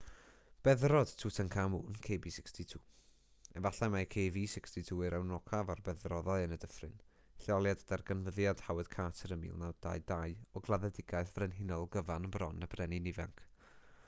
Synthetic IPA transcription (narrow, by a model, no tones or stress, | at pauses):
b̥ɛðrɔd̥tʰuːtʰənkʰamuːnkʰeːbiːsɪkstʰitʰuː | ɛvaɬamakʰeːviːsɪkstʰitʰuːɨɾawnɔkʰavarbɛðrɔðaɨənədəfrɨn | ɬjɔlˠjadəd̥arɡənvəðjad̥hawɛd̥kʰatʰəɾəmḭːlˠnad̥a̰ɨdaɨɔɡlˠaðɛdɪɡaɨθvrɛnɦɪnɔlˠɡəvanənbrɔnəb̥rɛninɪvɛŋkʰ